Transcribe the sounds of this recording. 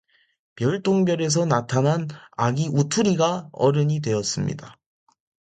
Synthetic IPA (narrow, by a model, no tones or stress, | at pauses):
pjʌɭt͈oŋbjʌɾe̞s̬ʰʌnatʰanɦana̰ɡiʔutʰuɾiɡaʌɾɯɲidwe̞jʌs͈ɯmɲḭda